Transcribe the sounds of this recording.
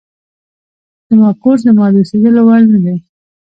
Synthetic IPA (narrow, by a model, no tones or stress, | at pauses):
d̪əmɑkozd̪əmɑd̪used̪əlowaɽnad̪e